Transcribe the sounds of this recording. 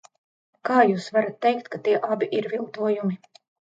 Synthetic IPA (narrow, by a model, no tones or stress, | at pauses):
kaːjuːsvaɾat̪ːɛjkt̪̚kat̪iɛʔabiʔiɾvilˠt̪uɔjumi